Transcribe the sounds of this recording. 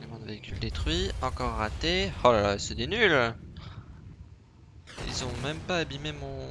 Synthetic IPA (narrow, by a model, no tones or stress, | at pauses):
nemɑ̃d̪əveikʲyld̪et̪χɥiɑ̃kɔʁːat̪eholalasɛd̪enyl | ḭlzɔ̃mɛmpaːbimemɔ̃